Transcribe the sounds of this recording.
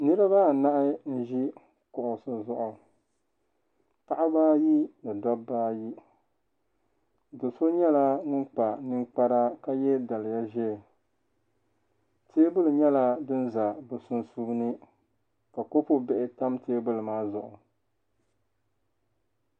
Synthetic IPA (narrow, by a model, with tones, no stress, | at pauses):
nɨ˦ɾɨ˦ba˦˨na˦ʔɪ˦n̩˦ʒi˦ | kʊ˨ʔʊ˨sɨ˨zʊ˦ʔʊ˨ | ta˦ʔa˦baː˦ji˦nɨ˨dɔ˦bbːaː˦ji˦ | dʊ˨so˦ɲɛ˦la˦ŋʊ˦nk͡pa˨nɨ˦ŋk͡pa˦ɾa˦ka˦jɛ˦da˨lɪ˨ja˦ʒɛ˦˨ | tʰeː˦bʊ˦lɨ˨ɲɛ˦la˦dɨ˦n˦za˨bɨ˨sʊ˦nsu˦bnɨ˦ | ka˨ko˦pʊ˦bɛ˦ʔɪ˨ta˦mtʰeː˦bʊ˦lɨ˨maː˦zʊ˨ʔʊ˨